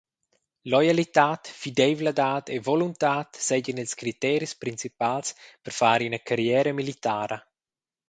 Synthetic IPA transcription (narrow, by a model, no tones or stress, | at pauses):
lɔjalit̪aːt̪fid̪ɛvlad̪aːt̪ʰevɔlunt̪aːt̪sɛɟənilskɾit̪ɛɾispɾint͡sipalspəɾfaːɾinɐkʰaɾjɛːɾəmilit̪aːɾɐ